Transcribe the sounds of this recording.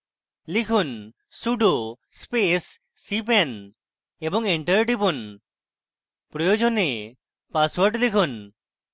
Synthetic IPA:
likʰun | suɖo | spesː | ip̬ɛn | ebɔŋeɳʈəɾʈipun | pɾɔjod͡ʒone | paswɔɾʈlikʰun

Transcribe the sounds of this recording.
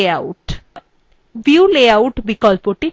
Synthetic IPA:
auʈ | ʋjuuleawʈbikɔlpoʈi

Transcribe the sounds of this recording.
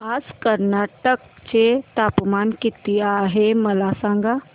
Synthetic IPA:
aːskəɾnaːʈək̚t͡ʃet̪aːpmaːnkɪt̪ijaɦeməlasãːŋɡa

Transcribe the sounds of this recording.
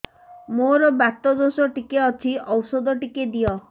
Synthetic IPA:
moɾɔbat̪ɔd̪osɔʈikeɔt͡ʃʰiɔwsɔd̪ɔʈiked̪ijɔ

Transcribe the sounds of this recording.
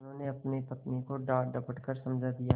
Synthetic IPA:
nɦõneɐpnepɐt̪nekoɖaːɾɖɐpəʈkəɾsɐ̃md͡ʒʱad̪ija

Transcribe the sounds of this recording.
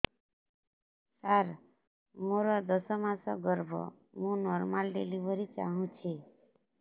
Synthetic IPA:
saɾ | moɾɔd̪ʌsɔmasɔɡʌɾbʱɔ̰ | mũnɔɾmalɖḛlibʱʌɾit͡ʃa̰ɦũt͡ʃʰi

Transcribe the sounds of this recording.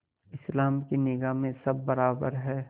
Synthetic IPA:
ɪslaːmkinɪɡamẽsɐbːɐɾaːbəɾɦɛː

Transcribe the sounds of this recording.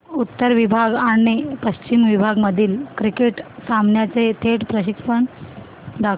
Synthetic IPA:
ut̪ːəɾʋibʱaɡaɽ̃ipəɕt͡ɕimʋibʱaɡməd̪ʱiːlkɾikeʈsamɳjat͡set̪ʰeʈpɾəɕikəɳ | d̪ak

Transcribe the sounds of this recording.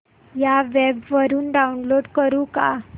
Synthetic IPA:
jaʋebʋəɾuːnɖaunloɽkəɾuːka̰

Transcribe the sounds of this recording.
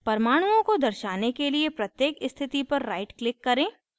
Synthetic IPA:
pɐɾmaːɽ̃uõkod̪ɐɾʃaːnekeliepɾɐt̪jeːkɪst̪ʰɪt̪ipɐɾːa̰ːɪʈklɪkːɐɾẽː

